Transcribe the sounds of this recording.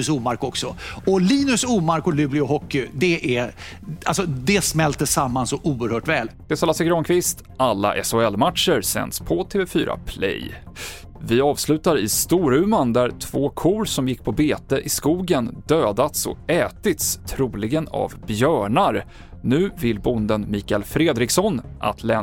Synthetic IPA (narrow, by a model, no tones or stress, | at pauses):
suːmaɾkɔksɔɔliːnɵsuːmaɾkɔlʉːblɪʊɦɔkːʏd̪ɛʔæ | alsɔd̪ɛsmɛlt̪əsamːansɔʔuːəɾhœːʈvɛːld̪̥ɛsalasɛɡɾɔnkʰvɪst̪ | alːa̰ʔɛsʊɛlːmat̪ʂəɾsɛ̰nd̪spʰɔt̪ʰeːvɛfyːɾʔa̰pʰlɛ̰j | vɪɑːvslʉ̟ːt̪aɾɪ̰st̪uːɾʉ̟ːmand̪æɾt̪ʰv̥oːkʰuːɾsɔmjɪkːpʰɔbeːt̪əʔɪskuːɡənd̪̥øːd̪at̪sɔ̰ɛːt̪ɪt̪st̪ʰɾuːlɪɡəna̰vbjœːɳaɾ | nʉ̟ːvɪlbʊnd̪ənmiːkɛlfɾeːd̪ɾɪksɔnʔa̰t̪ʰlɛ